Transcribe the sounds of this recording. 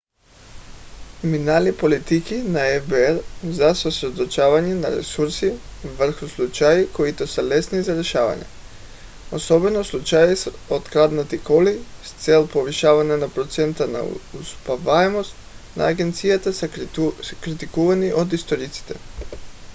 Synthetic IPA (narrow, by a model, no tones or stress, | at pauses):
kɾiminalipolit̪ikinaevbeeɾzasosɾed̪ot͡ʃaʋaɲena̰ɾḛsuɾsiʋr̩xuslˠut͡ʃajikoit̪osalesnizaɾeʃaːʋa̰ɲɛ̰ | osobɛnoslˠut͡ʃajis | ot̪kɾad̪nat̪ikolist̪selˠpoʋiʃaʋaɲanapɾot̪sent̪ana̰uspavaɛmost̪ | na̰ːɡent̪sijat̪a | kɾit̪ikuvaniʔod̪ist̪oɾit̪si̥t̪ɛ̰